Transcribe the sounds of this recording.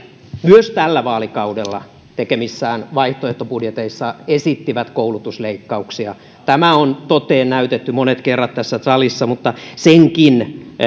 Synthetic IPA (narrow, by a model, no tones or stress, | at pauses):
myøst̪ælːæʋɑːlikɑudelːɑ | t̪ekemisːæːnʋɑiht̪oeht̪opudjet̪eisːɑesit̪ːiʋæt̪koulut̪usleikːɑuksiɑ | t̪æmæont̪ot̪eːnnæyt̪et̪ːymonet̪kerːɑt̪t̪æsːæsɑlisːɑmut̪ːɑseŋkin